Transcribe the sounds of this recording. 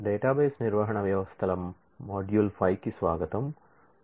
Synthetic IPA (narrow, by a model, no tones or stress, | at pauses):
ɖeːʈaːbeːsniɾʋɐɦɐɳɐʋjɐʋɐst̪ʰɐlɐmː | oːɖjulfʰɐjkisʋaːɡɐt̪ɐm